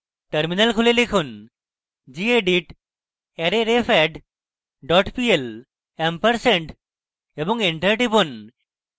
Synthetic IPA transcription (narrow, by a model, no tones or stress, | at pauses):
ʈəɾminɐlkʰulelekʰun | d͡ʑieɖiʈ | eɾeɾefʰɛɖ | ɖɔʈpiel | empəɾseɳʈ | ebɔŋiɳʈəɾʈipun